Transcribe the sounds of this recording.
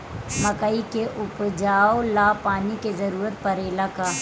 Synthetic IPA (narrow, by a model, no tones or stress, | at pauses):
mɐkəikeʔʊpd͡ʒaːolaːpaːnikezɐɾuːɾət̪̚pɐɾeːlaka